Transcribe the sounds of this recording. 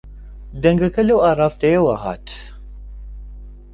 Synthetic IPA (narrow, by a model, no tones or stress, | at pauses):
d̪ɐŋɡɐkɐlɐwaːraːst̪ɐjɐwɐɦa̰ːt̪